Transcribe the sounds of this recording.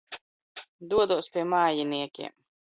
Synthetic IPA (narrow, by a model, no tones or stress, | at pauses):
d̪uɔd̪uɔspʲiɛmaːjiniɛkʲḭɛm